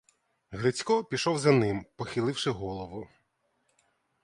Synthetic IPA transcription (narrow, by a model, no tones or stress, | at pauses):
ɦɾɪt͡sʲkɔpʲiʃɔwzɐnɪmpɔxɪlˠɪwʃɪɦɔlˠɔʋʊ